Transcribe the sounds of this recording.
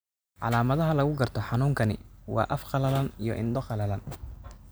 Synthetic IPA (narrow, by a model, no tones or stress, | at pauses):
ʕɑ̰laːmɐðɐɦɐlɐɣʊɡɐrt̪ʰɔħɑnuːŋkʰɐnɪ̰wɑ̰ːʔɐfqɑlɐlɐnijɔ̰ʔɪnd̪ɔqɑlɐlɐn